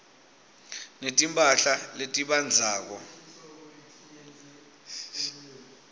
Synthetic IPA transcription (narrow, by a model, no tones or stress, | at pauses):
netʼimpʼaɬaletʼiɓand͡zʱaːk̬ɔ